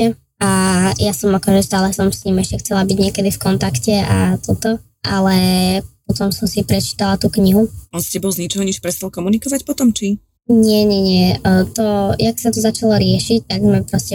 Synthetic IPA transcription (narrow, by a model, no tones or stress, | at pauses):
ɛ | ajasɔmakɔʒɛst̪aːlɛsɔmsɲimɛʃcɛxt͡sɛlabiɟɲɪɛkɛd̪ifkɔnt̪akcɛat̪ɔt̪ɔ | ʔalɛpɔt̪ɔmsɔmsipɾɛt͡ʃi̥t̪alat̪uːkɲiɦuʔɔnscɛbɔlˠzɲit͡ʃɔɦɔɲɛʃpɾɛst̪alkɔmunikɔʋacpɔt̪ɔmt͡ʃi | ɲɪɛɲɛɲɪɛt̪ɔjaksat̪ɔzat͡ʃalɔɾɪɛʃic̚t̪aɡmapɾɔscɛ